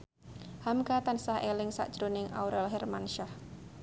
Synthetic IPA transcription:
hamkat̪ansahelɪŋsa̰ʔdʒ̥ɾonɪŋʔa̰wɾɛlɦɛrmanʃah

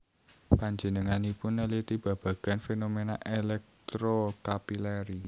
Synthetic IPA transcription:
paɲd͡ʒənəŋanipʊnːəlit̪ib̥ä̤b̥ä̤ɡ̥a̤nfenomenaʔelɛk̚t̪ɾokapilɛɾi

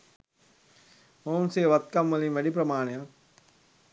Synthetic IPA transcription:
ɦoːmseːʋɐt̪̚kɐmːɐlĩmʋɐɽip̬ɾɐmaːɳ̃ja

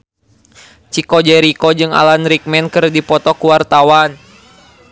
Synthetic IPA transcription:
t͡ʃikɔd͡ʒɛɾikɔd͡ʒɨŋa̰lanɾik̚mɛnkɨrdipɔt̪ɔkuwart̪awan

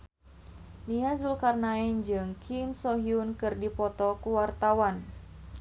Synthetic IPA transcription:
niazulkarnaɛnd͡ʒɨŋkʰimsɔɦiunkɨrdipɔt̪ɔkuwart̪awan

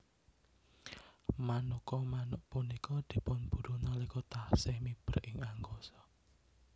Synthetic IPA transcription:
manukɔmanʊʔpunikɔd̪̥i̤pʊnb̥ṳɾunalikɔt̪asɪhmib̥ərɪŋaŋɡosɔ̥

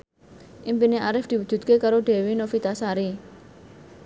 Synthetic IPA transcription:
ʔimpineʔaɾɪfd̪̥i̤wudd͡ʒ̥ṳt̪̚kekaɾoɖe̤winofit̪asaɾi

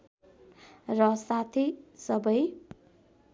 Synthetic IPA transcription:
rʌsat̪ʰisʌbʌj

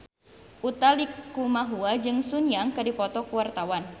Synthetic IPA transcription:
ʔut̪alikumaɦuad͡ʒɨŋsunjaŋkadipɔt̪ɔkuwart̪awan

